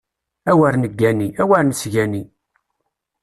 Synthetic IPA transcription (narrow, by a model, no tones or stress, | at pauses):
æwæɾnəɡːæniæwæɾnsʝæni